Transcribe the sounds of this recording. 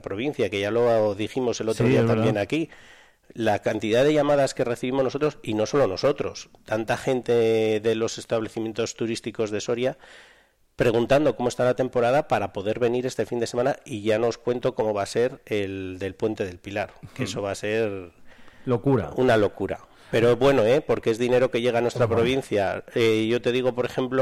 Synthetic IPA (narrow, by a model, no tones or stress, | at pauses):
pɾo̞βin̟θjake̞ʝalo̞ðiximo̞se̞lo̞t̪ɾoðiaambje̞naki | lakant̪iðaðe̞ʝamaðaske̞re̞θiβimonoo̞t̪ɾo̞sino̞so̞lo̞no̞so̞t̪ɾo̞st̪ant̪axe̞nt̪e̞ðe̞lo̞se̞st̪aβle̞θimje̞nt̪o̞st̪uɾist̪iko̞zðe̞so̞ɾja | pɾe̞ɣ̞unt̪and̪o̞ko̞moest̪alat̪e̞mpo̞ɾað̞apaɾapo̞ðe̞ɾβe̞niɾe̞st̪e̞find̪e̞se̞mãnaiʝano̞ːskwe̞nt̪o̞ko̞mo̞βase̞ɾe̞ld̪e̞lpwe̞nt̪e̞ðe̞lpilaɾkeeso̞βase̞ɾ | lokuɾa̰unalo̞kuɾa̰ | pe̞ɾoβwe̞no̞e̞po̞ɾkeezðine̞ɾo̞ke̞ʝe̞ɣanwest̪ɾapɾo̞βin̟θjaeʝo̞t̪e̞ðiɣo̞po̞ɾe̞xe̞mplo